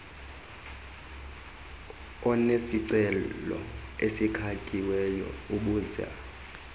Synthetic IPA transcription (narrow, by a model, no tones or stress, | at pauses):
ɔnesiǀɛlɔ̰esikʰakʼiwɛjɔ̰uɓuːza̰